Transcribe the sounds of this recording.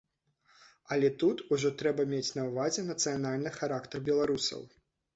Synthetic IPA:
ɐlʲɛt̪ut̪uʐɔt̪ɾɛbɐmʲet͡sʲnɐwvazʲɛnɐt̪sɨjanalʲnɨxaɾakt̪ɐrbʲɛlˠaɾusɐ̰w

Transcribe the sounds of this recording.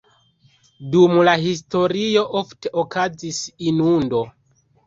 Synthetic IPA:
dumlaɦis̬to̞ɾio̞ʔofte̞ʔokazisinundo̞

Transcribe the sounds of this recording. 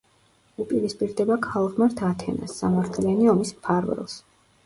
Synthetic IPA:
upʼiɾispʼiɾd̪ɛbakʰalˠʁmaɾt̪ʰat̪ʰɛna̰sːa̰maɾt̪ʰlianiɔmispʰaɾvɛ̰lˠs

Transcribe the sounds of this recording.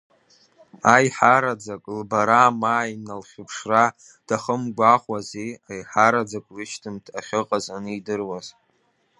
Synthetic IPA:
ajħaɾad͡zakʼlbaɾamaːjnalχʲʊpʰʂra | d̥aχəmɡʷaχʷwazeajħaɾad͡zakʼlɨʃtʰɨmtʰaχʲɪqʼazanɨidɨrwaz

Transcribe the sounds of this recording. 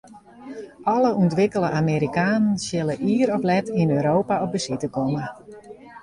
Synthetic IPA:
ɔləʔuntʋɪkəlˠəʔameːɾikaːnənsjɪləʔiːəɾɔplɛtinøːɾoːpaɔp̚bəsɪtəkɔmə

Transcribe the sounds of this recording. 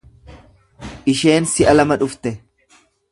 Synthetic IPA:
ʔɪʃe̞ːnsɪʔɐlɐmɐᶑʊft̪ɛ

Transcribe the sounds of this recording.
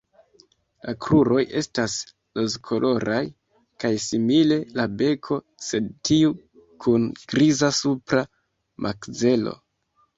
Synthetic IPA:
lakɾuɾo̞jʔe̞stas | lozkʰo̞lʔo̞ɾaj | kajsimile̞labe̞kʰo̞ | se̞d̚tiu | kʰunɡ̥ɾizasupɾa | mʔakze̞lo̞̰

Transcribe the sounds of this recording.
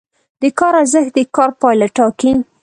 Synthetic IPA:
d̪əkɑɾazəxd̪əkɑɾpɑjlaʈɑkin

